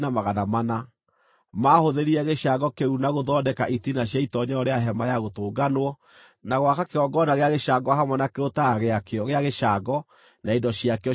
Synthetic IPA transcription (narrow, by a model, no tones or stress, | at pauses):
namaɣanamana | maːhoðeɾiɛɣeʃaɡɔkeɾunaɣoðɔdɛkaʔitinaɕ̬jaitɔɲɛɔɾeaɦɛmajaɣotoːɡanwɔ | naɣwakakeɾɔɡɔnaɣeaɣeʃaɡɔɦamwɛnakeɾotaɣeakeɔɣeaɣeʃaɡɔ | naindɔɕiakeɔ